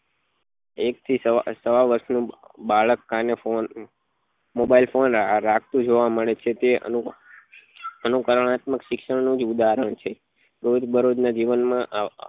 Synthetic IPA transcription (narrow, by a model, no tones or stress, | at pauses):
ek̚t̪ʰissəʋaʋəɾʃnũbaɭəkːanefon | mobailfonɾakʰt̪ũd͡ʒʱoʋaməɭet͡ʃʰet̪eə̰u | ənukəɾəɳat̪məkʃɪkʃəɽnũd͡ʒud̪aɾəɳ̃t͡ʃʰe | ɾod͡ʒbəɾod͡ʒnad͡ʒiʋənmãʔ